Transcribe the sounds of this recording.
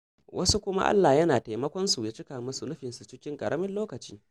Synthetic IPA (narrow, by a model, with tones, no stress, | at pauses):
wʔɐ˦su˦kʷʊ˦ma̰˦ʔa̰˦lːaː˨jɐ˦naː˨teː˨mɐ˦kʷɔ˦nsu˨ja˨˦t͡ʃɪ˦kaː˨mɐ˦su˨nʊ˦ɸɪ˨nsu˨t͡ʃɪ˦kʲɪ˦ŋkʼɐ̰˨ɽʔɐ˦mɪ˦nloː˦kɐ˨t͡ʃḭː˦